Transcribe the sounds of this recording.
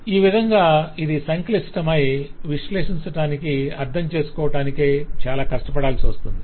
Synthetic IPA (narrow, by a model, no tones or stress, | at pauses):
iːʋid̪ʱɐŋɡaːid̪isɐŋklisʈɐmɐjʋiʂle̞ːʂiɲt͡ʃɐʈaːnikiɐɾd̪ʱɐmt͡ʃe̞ːsu̥kɔːʋɐʈaːnikeːt͡ʃaːlaːkɐʂʈɐpɐɽaːlsiʋɐst̪und̪i